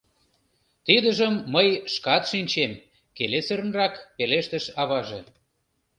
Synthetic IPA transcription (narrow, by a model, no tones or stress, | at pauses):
t̪id̪əʒəmːəjʃkɑt̪ʃinʲt͡ɕem | kelesəɾənrɑkpeleʃt̪ə̆ʃɑβɑʒe